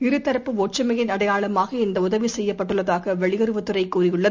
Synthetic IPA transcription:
ɪɾɯt̪ːɐɾɐpːɯoːʈt͡ʃɐmɐɣɪnɐɽɐjaːɭɐmaːɣɐɪnd̪ɐʊðɐʋisɛjːɐpːɐʈːɯɭːɐðaːɣɐʋɛɭɪɣɐɾɯʋɐt̪ːɯrɐɪkːuːrɪjɯɭːɐð

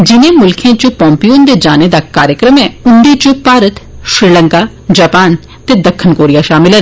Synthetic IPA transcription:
d͡ʒɪnẽːmʊlkʰẽːt͡ʃopɔ̃ːmpijoːnd̪eːd͡ʒaːneːd̪aːkaːɾjəkɾəmɛːʊnd̪it͡ʃopaːɾət̪ʃɾiːləŋkaː | d͡ʒaːpaːn | t̪eːd̪əkʰːənkoːɾijaːʃaːmɪlɦɛ

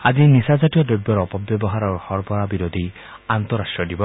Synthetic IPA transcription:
azinisazatijɔdobjɔɾɔpɔbjɔbɔɦaɾaɹuhɔɹpɔɹabiɾod̪ʱi | ant̪ɔɾastʈɹɔdibɔ

